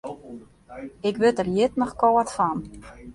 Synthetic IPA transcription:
ɪkʋɪtərjɪtnɔxkoətfan

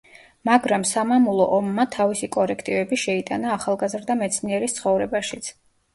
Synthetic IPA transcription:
maɡɾamsamamulˠɔ̰ʔɔmːat̪ʰavisikʼɔɾɛkʰt̪ʼivɛbiʃɛit̪ʼanaːχalˠɡazɾd̪amɛt̪sʰniɛɾist̪sχɔvɾɛbaʃit̪sʰ

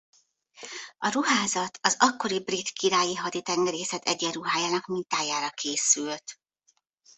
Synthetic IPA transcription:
ɒɾuɦaːzɒt̪ʰɒzɒkːo̞ɾibrit̪kʰiɾaːjiɦɒd̪it̪ɛŋɡɛɾeːsɛt̪ɛ̰ɟːɛɾuɦaːjaːnɒkmint̪aːjaːɾɒkʰeːsylt̪

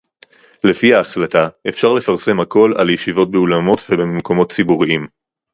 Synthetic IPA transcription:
lefihaːχlataefʃaʁle̞faʁse̞mhako̞la̰ljeʃivo̞t̚beulamo̞tvebememko̞mo̞tt͡sibuʁiim

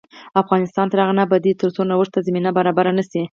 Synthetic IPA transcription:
afɣɑnɪst̪ɑnt̪aɾaɣnabad̪it̪əɾt͡sonawəʂt̪azaminabaɾɑbaɾanasi

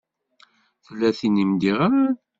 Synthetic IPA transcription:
θlːæθinimd̪iʁamæn

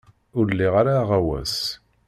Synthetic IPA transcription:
ʊɾlːiʁaɾaːʁawæ̰s

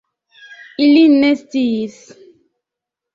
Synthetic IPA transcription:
ilinmestis

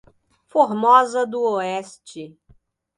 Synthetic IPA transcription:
foɾmɔzɐd̪ʊoɛst͡ʃɪ

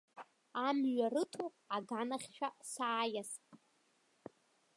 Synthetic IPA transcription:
amɥarɨtʰu | aɡanaχʲʃᶣasaːjasʼ

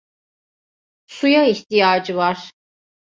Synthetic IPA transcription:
sujaiht̪ʰijaːd͡ʒɯvaɾ̥

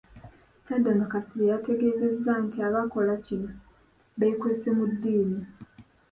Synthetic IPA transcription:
cademakasilejate̞ɡeːze̞zːantiaβako̞lacino | βeikweːsemudːiːni

